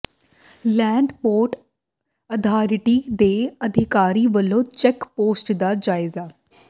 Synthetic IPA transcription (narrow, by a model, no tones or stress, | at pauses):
lɛ̃ːɳɖpoːɾʈ | əd̪ʱaːɾɪʈid̪eːɐd̪ʱɪkaːɾiʋəlõt͡ʃɛkpoːsʈd̪ad͡ʒaːɪzaː